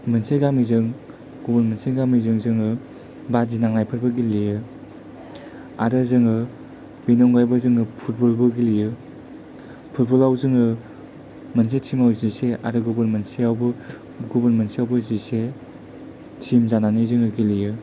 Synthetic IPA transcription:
mɯnsejɡamizɯŋ | ɡubɐnmɐnsejɡamizɯŋzɯŋɯ | bazinaŋnajpʰɯɾbɯɡilijɯ | a̰ɾɯzɯŋɯ | binɔŋɡajbɯzɯŋɯpʰut̚bɔlbɯɡilijɯ | pʰut̚bɔlawzɯŋɯ | mɐns̬ejtʰimawzisea̰ɾɯɡubɯɾmɐnseawbɯ | ɡubɐnmɐnsijawbɯzise | tʰimzananizɯŋɯɡilijɯ

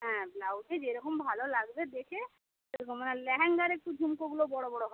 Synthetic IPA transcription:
ɦɛ̃blawʈed͡ʑeɾɔkombʱalolaɡbed̪ekʰe | ɾekʰomːanelɛɦɛŋɡaɾek̚ʈudʱumkoɡulobɔɽobɔɽoɦɔe

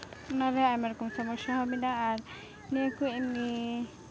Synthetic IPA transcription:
naɾɛajmaɾɔkɔmsɔmɔʃɔɦɔbinaːɾ | nekueni

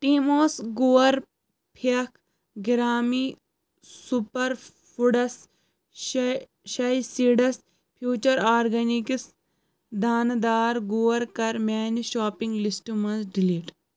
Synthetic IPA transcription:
ʈiːmoːsɡuːʋɐɾ | pʰiɐkʰ | ɡiɾaːmiː | supɐɾ | fuɖɐs | ʃɐjsiɖɐs | pʰjuːt͡ʃɐɾaːɾɡɐnikis | d̪aːnd̪aːɾɡuːɐɾkɐɾmaːniʃaːpĩŋɡlisʈumɐnzɖiliːʈ

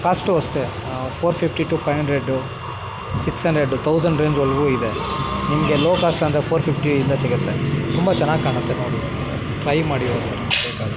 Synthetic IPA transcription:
kaːsʈɔst̪e | pʰoːɾpʰipʰʈiʈuːpʰɐjʋɦɐɳɖɾeɖu | siksɦɐɳɖɾeɖut̪ʰɐwsɐɳɖɾeːɲd͡ʒolɡuːid̪enimɐɡe̞loːkaːsʈɐnd̪ɾepʰoːɾpʰipʰʈiind̪ɐsiɡɐt̪ːet̪umbɐt͡ʃɐnːaːɡkaːɳɐt̪ːenoːɽi | ʈɾɐjmaːɽioːɾsɐɾbeːkaːd̪

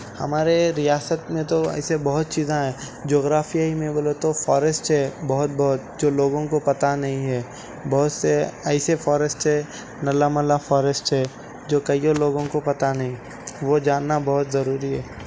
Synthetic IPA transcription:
hɐ̰maːɾeɾijaːsət̪mẽt̪oɛ̰ːsebɐɦʊt̪̚t͡ʃiːzãɦɛ̃ː | d͡ʒoːɣɾaːfijaɦimẽboːlot̪ofɔːɾəsʈt͡ʃɛːbɐɦʊt̪̚bɐɦʊt̪̚d͡ʒoːloːɡõkopɐt̪anɐɦĩɦɛː | bɐɦʊt̪seɛɪsefɔːɾəsʈt͡ʃɛ | nɐlamɐlafɔːɾəsʈɛː | d͡ʒoːkɐioloːɡõkopɐt̪anɐɦĩ | ʋod͡ʒaːnːabɐɦʊt̪zɐɾuːɾiɦɛː

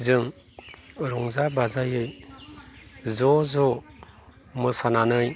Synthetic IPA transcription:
zɯŋ | ɾɔŋzabazajɯj | zɔzɔ | mɯsananɯj

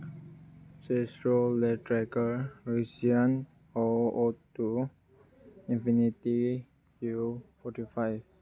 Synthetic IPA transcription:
sɛsɹolɛtɹɛkəɹesiãn | ɔot̪u | ĩnfinit̪i | kufɔtifajf

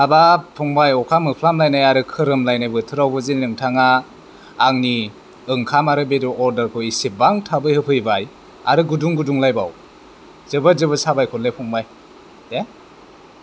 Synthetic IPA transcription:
abapʰuŋbajɔkʰamɯpʰlamlajnajaɾɯkʰɯɾɯmlajnajbɯtʰɯɾawbɯzinlɯŋtʰaŋaː | ŋni | ɯŋkʰamaɾɯbedɔɔɾdəɾkʰɯwisebaŋtʰabɯjhɯpʰɯjbaj | a̰ɾɯɡuduŋɡuduŋlajba̰w | zɯbazɯbɯsabajkʰɔlepʰɔŋbaj | de

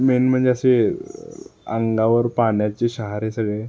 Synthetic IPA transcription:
menm̤əɳd͡zeəse | ə̰ŋɡaʋəɾpaɳjat͡ɕeɕəɦaɾesəɡɭe

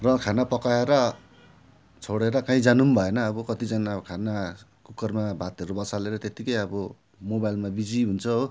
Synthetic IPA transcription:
rʌkʰanapʌkaeɾʌ | t͡sʰoɽeɾʌkãĩd͡zanumbʱʌenʌːbʌkʌt̪id͡zʌnakʰana | kukʌrmabʱat̪ʌɾubʌt͡saleɾʌt̪et̪ikʌjʌbʌ | mobajlmabid͡ziɦunt͡sʰʌɦo

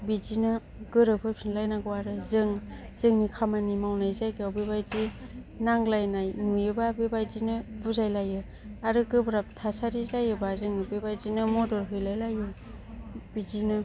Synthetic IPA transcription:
bid͡ʒinɯ | ɡɯɾɯpʰɯpʰinlajnaɡɔwaɾɯzɯŋ | zɯŋnikʰamanimawnajzajɡɯawbebajzi | naŋlajnajnujɯbabebajzinɯbuzajlajɯ | aɾɯɡɯbɾap̚tʰasaɾizajɯbazɯŋɯbebajzinɯmɔdɔɾɦɯjlajlajɯ | b̥izinɯ

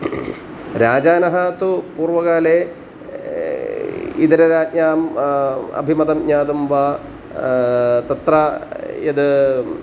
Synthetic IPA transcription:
ɾaːd͡ʑaːnɐɦaːt̪upuːrʋɐɣaːleː | id̪ɐɾɐɾaːt̚ɲaːm | ɐ̰bʱimɐd̪ɐmɲaːd̪umʋaː | t̪ɐt̪rajɐd̪ɨ

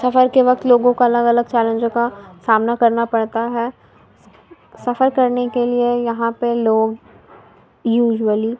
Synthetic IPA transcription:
sɐfəɾkeʋɐk̚t̪loːɡõkaɐləɡɐləɡ̚t͡ʃɛːlə̃ɲd͡ʒõkasaːmnakɐɾnapɐɽt̪aɦɛː | sɐfəɾkɐɾnekeliejɐɦãpeloːɡ | juːʒwəli

